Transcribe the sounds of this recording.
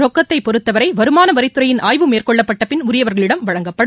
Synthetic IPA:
ɔkːɐt̪ːɐɪpɔɾɯt̪ːɐʋɐɾɐɪʋɐɾɯmaːnɐʋɐɾɪt̪ːɯɾɐjɪnʔaːjʋɯmeːrkɔɭːɐpːɐʈːɐpɪnʊɾɪjɐʋɐɾɣɐɭɪɽɐmʋɐɻɐŋɡɐpːɐɽ

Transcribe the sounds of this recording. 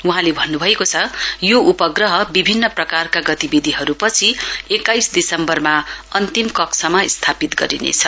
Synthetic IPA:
uɦãlebʱʌnːubʱʌekot͡sʰʌjoʔupʌɡrʌɦʌbibʱinːʌprʌkarkaɡʌt̪ibid̪ʱiɦʌɾupʌt͡sʰiekːajsd̪isʌmbʌrmaʌnt̪imkʌksʰʌmaist̪ʰapit̪ɡʌɾḭnḛt͡sʰʌ

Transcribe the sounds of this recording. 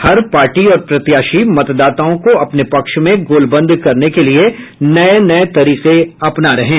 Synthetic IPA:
hɐɾpaːɾʈiɔːɾpɾɐt̪jaːʃimɐt̪d̪aːt̪aːõkoɐpnepɐkʃmẽɡoːlbə̃nd̪ʱkɐɾnekelie | nɐenɐet̪ɐɾiːqeɐpnaɾɐɦẽː

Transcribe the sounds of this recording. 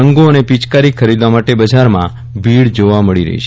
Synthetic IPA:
əŋɡoənepit͡ʃkaɾikʰəɾid̪ʋamaʈebəd͡ʒaɾmã̰ | biɽd͡ʒoʋaməɭiɾə̰ɦḭt͡ʃʰe

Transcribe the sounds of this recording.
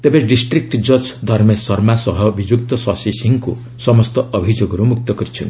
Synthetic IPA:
t̪ebeɖisʈrik̚ʈd͡zʌd͡zd̪ʱʌrmesʌrmasʌɦʌbid͡ʒjuk̚t̪ʌsʌsisiŋko̰ | sʌmʌst̪ʌʔʌbʱid͡ʒoɡʌɾumuk̚t̪ʌɡʌɾit͡sʰṵn

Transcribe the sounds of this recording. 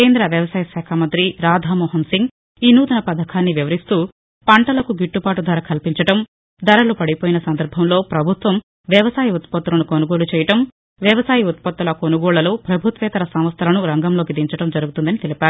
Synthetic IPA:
keːnd̪ɾɐʋjɐʋɐsaːjɐʃaːkʰaːmɐnt̪ɾiɾaːd̪ʱaːmɔːɦɐnsiŋɡ | inuːd̪ɐnɐpɐd̪ʱɐkʰaːnːiʋiʋɐɾist̪uː | pɐɳʈɐlɐkuɡiʈːupaːʈud̪ʱʋaːɾɐkʰɐlpiɲt͡ʃɐʈɐm | d̪ɐɾɐlupɐɽipoːjinɐsɐnd̪ɐɾbʱɐmlo̞ːpɾɐbʱut̪ʋɐm | ʋjɐʋɐsaːjɐut̪̚pɐt̪ːulɐnukonuɡo̞ːlut͡ʃɛːjɐʈɐm | ʋjɐʋɐsaːjɐut̪̚pɐt̪ːulɐkonuɡɔːɭɐloːpɾɐbʱut̪ʋɛːt̪ɐɾɐsɐmʋɐst̪ʰɐlɐnuɾɐŋɡɐmlo̞ːkid̪iɲt͡ʃɐʈɐmd͡ʒɐɾuɡut̪und̪ɐnit̪elipaːɾu

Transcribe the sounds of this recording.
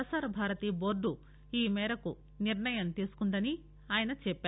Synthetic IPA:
ɐsaːɾɐbʱaːɾɐt̪iːboːɾɖu | iːmɛːɾɐku | niɾɳɐjɐmt̪iːsu̥kund̪ɐni | aːjɐnɐt͡ʃɛpːaː

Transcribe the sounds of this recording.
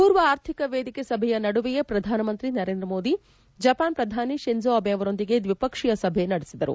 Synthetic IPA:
puːɾʋɐaːɾt̪ʰikɐʋeːd̪ikesɐbʱɛjɐnɐɽuʋɛjepɾɐd̪ʱaːnɐmɐnt̪ɾinɐɾe̞ːnd̪ɾɐmo̞ːd̪i | d͡ʒɐpaːnpɾɐd̪ʱaːniʃend͡ʒoɐbʱeɐʋɐɾo̞nd̪iɡe̞d̪ʋipɐkʂijɐsɐbʱenɐɽisid̪ɐɾṵ

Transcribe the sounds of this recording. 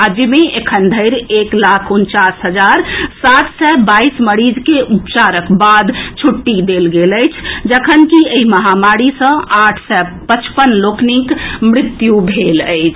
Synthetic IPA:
ad͡ʒimeʔekʰənd̪ʱəɪɾeklakʰunt͡ʃasɦəd͡ʒaɾsat̪ʰsɛbaisməɽid͡ʒkeʔupt͡ʃaɾəkbad̪t͡ʃʰuʈːid̪elɡeləjt͡ʃʰd͡ʒəkʰənkieɦiməɦamaɾisə̃aʈʰsɛpət͡ʃpənloknikmɾit̪jubʱeləɪt͡ʃʰ

